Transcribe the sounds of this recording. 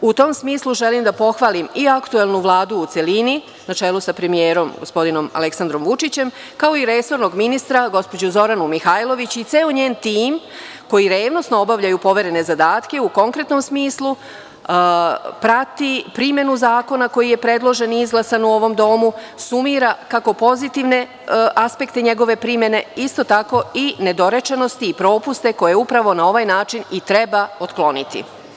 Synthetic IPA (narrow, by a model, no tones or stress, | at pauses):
ut̪o̞msmiːslˠuʒe̞limd̪apo̞xʋalimiakt̪ue̞lˠnuʋlˠaːd̪uːt̪se̞lini | nat͡ʃe̞lˠusapɾe̞mijeːɾo̞mɡo̞spo̞d̪ino̞ma̰le̞ksand̪ɾo̞mʋut͡ʂit͡ɕe̞m | kao̞iɾe̞so̞ɾno̞ɡminist̪ɾaɡo̞spod͡ʑuzo̞ɾanumixajlˠo̞ʋit͡ɕit̪seːoɲeːnt̪iːm | ko̞jiɾeːʋno̞snoobaʋʎajupo̞ʋe̞ɾe̞ne̞zad̪aːt̪ke̞uko̞ŋkɾe̞t̪no̞msmiːslˠu | pɾat̪ipɾimje̞nuzaːko̞nako̞jije̞pɾe̞d̪lˠo̞ʒe̞niizɡlˠasanuo̞ʋo̞md̪o̞mu | sumiːɾakako̞po̞zit̪iʋne̞ | ʔaspe̞kt̪e̞ɲe̞ɡo̞ʋe̞pɾimje̞ne̞ist̪o̞t̪ako̞ine̞d̪o̞ɾe̞t͡ʃeno̞st̪iːpɾo̞ːpust̪e̞ko̞je̞upɾaʋo̞nao̞ʋajnaːt͡ʃinit̪ɾe̞bao̞t̪klˠo̞nḭt̪ḭ